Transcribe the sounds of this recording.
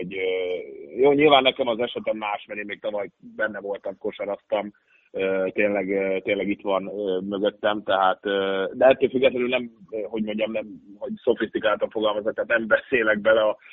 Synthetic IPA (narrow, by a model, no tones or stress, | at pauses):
oɟøjoːɲilvaːnːɛkɛmɒzɛʃɛt̪ɛmmaːʃmɛɾeːnmeːk̚t̪ɒvɒjbɛnːɛvo̞lt̪ɒmko̞ʃɒɾɒst̪ɒm | øːt̪eːnlɛɡøt̪eːnlɛɡit̪ʋɒnøːmøɡø̞t̪ːɛmt̪ɛɦaːt̪øːd̪ɛɛt̪ːøːlfyɡːɛt̪lɛnylnɛmɦo̞ɟmo̞ɲɟɒmnɛmɦo̞ɟso̞fist̪ikaːlt̪ɒɱfoɡɒlmɒzokt̪ːaːt̪nɛmbɛseːlɛɡ̚bɛlɛɒ